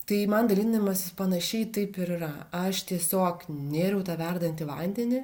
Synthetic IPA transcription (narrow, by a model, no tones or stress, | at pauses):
t̪ɐɪmɐnd̪ɐlʲiːnʲɐmɐspɐnɐʃʲɛɪt̪ɐɪpɪɾɪɾɐɐʃt̪ʲiɛsʲoːknʲeːɾʲɛʊt̪ɑːʋʲɛrd̪ɐnʲt̪ʲɪʋˠɐnʲd̪ʲɛnʲɪ